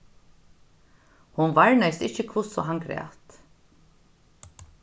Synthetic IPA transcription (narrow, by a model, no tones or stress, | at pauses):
hʊnvaɹnajst̪ɪhçəkʰvʊsɔ̰ɦaŋɡɾæ̰ːt̪